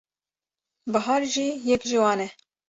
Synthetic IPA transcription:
bɨɦɑːɾʒiːjɛkʒɨwɑːnɛ

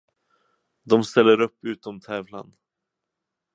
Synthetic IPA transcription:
d̪ɔmst̪ɛlːəɾɵpːʉ̟ːt̪ɔmt̪ʰɛːvla̰n

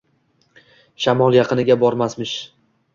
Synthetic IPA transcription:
ʃamɒlˠjɑqʰɨnɪɡʲabɒɾmasmɪʃ

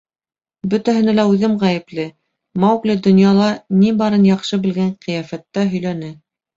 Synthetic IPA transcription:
bɵ̆t̪æɦɘ̆nælæʉðɘmʁæjɘ̆plɘ | mɑwklɘd̪ŏnjɑlˠɑnibɑɾɤnjɑqʃɤbɘ̆lɡæɴqĭjæfæt̪ːæɦɵ̆jlænɘ

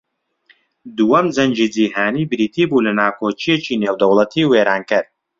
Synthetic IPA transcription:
d̪uwɐmzɐnd͡ʒiːd͡ziːɦaːnibɾiːt̪ʰiːbulɐnaːkʰoːt͡ʃijet͡ʃineːwd̪ɐwlˠɐt̪ʰiːweːɾaːnkɨɾ

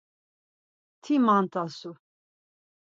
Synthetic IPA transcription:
t̪ʰimant̪ʼasu

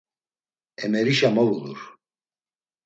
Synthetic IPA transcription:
ɛmɛɾiʃamɔvuluɾ

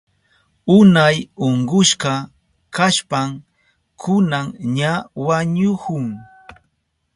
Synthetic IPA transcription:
ʊnajoɴɢʊʃɢɑ | kaʃpam | kʰʊnaŋɲawaɲʊhʊŋ

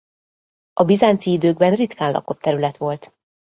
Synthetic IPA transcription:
ʔɒbizaːnt̪siid̪øːɡ̚bɛnrit̪kaːnlɒ̰ko̞t̪ːɛɾylɛt̪ʋo̞lt̪

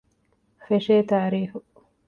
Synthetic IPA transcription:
feʃeːt̪aːɾiːfu

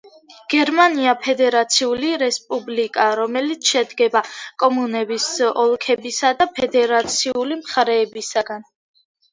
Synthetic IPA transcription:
ɡ̥ɛɾmaniapʰɛd̪ɛɾat̪sʰiuliɾɛspʼublikʼaɾɔmɛlit̪sʰʃɛd̪ɡɛbakʼɔmunɛbisɔlˠkʰɛbisad̪apʰɛd̪ɛɾat̪sʰiulimχaɾɛːbisaɡan

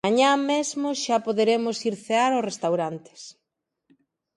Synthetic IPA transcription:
aɲamezmʊʃapoðeɾemʊsiɾθeaɾʊsrest̪awɾant̪ɪ̥s

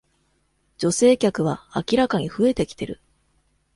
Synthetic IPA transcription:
d͡ʑo̞se̞ːkʲakɯ̟β̞aːkʲiɾakaɲ̟iɸɯ̟e̞t̪e̞kʲi̥t̪e̞ɾɯ̟

